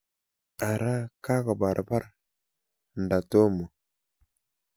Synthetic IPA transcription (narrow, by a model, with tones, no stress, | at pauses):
a˨ɾa˦ka˦ɣa˨ba˨ɾʔba˦ɾ | n˨da˨to˦mo˨